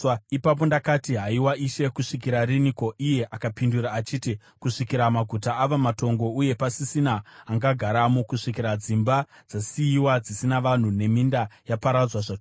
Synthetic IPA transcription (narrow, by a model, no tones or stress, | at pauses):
ipap̬o̞ndakatiɦaiwaiʃe̞kuʂikiɾariniko̞ʔije̞ʔakapinduɾaːt͡ʃiːti | kuʂikiɾamaɡʱutaːʋamato̞ŋɡo̞uje̞pasisinaːŋɡaɡʱaɾamukuʂikiɾad͡zimba | d͡zasiiwad͡zisinaʋan̤une̞mindajapaɾad͡zwaʐa